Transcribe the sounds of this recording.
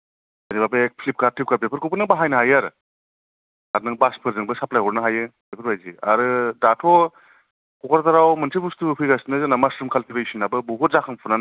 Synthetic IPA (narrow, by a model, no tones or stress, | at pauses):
anibapek̚pʰlip̚kaɾtʰip̚kaɾ̚bepʰɯɾkʰɯpɯnɯŋbaɦajnaɦajaɾɯ | aɾnɯŋbaspʰɯɾzɯŋbɯsaplajɔɾnɯɦajɯbepʰɯɾbajzia̰ɾɯdatʰɔ | kɔkaɾtaɾawmɯnsʰibustupʰɯjɡasinɯzanamasɾɯmkʰaltʰiɾɯjsinabɯbuɦutzakʰaŋpʰunan